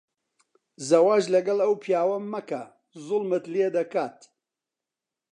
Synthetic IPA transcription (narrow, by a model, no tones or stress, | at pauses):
zɐwaːʒlɐɡɐlˠɐwpʰijaːwɐmɐkɐ | zʊlˠmɨt̪lied̪ɐkaːt̪